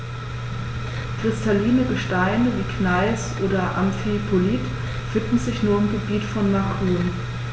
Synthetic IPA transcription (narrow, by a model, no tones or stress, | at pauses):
kʁ̥ɪstʰaliːnəɡəʃtaɪnəviːkʰnaɪsʔoːdɐʔa̰mfipʰoliːt | v̥ɪndn̩zɪçnuːɐɪmɡəbiːtfɔnmakʰuːn